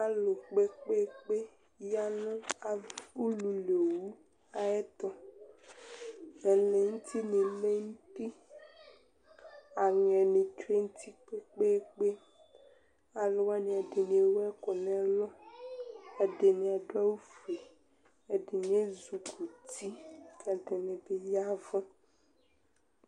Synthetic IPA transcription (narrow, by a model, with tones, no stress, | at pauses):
a˨lo˨k͡pe˦k͡pe˦k͡pe˦ | ja˦nɔ̃˦a˨u˦lu˨lo˨wu˦ | a˦ɛ˦t̪ɔ˦ | ɛ˨le˨ŋu˦t̪ʰi˦nĩ˨me˦ŋu˦ti˦ | a˨ŋɛ̃˨nĩ˨t͡ʃe˦ŋ̩˦t̪i˦k͡pe˦k͡pe˦k͡pe˦ | a˨lɔ˦wa˦nĩ˨a˨ɖe˨nĩ˨e˨wɛ˦kɔ˨nɛ̃˨˦lɔ˦ | ɛ˨ɖe˨nĩ˨a˨ɖo˦a˦wu˦fe˨ | e˨ɖe˨ɲ˦e˦zu˨kʰu˨t̪i˦ka˨dɛ˨nɛ̃˨be˦ja˦vã˦